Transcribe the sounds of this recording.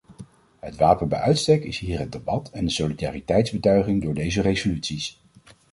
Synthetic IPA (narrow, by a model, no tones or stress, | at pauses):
ɦətʋaːpənbɛ̰jʔœɥtstɛkɪsɦiːɹɦəd̚debɑtɛndəsolida̰ːritɛjtzbətœɥχɪŋdʊːɹdejzərejzolytsis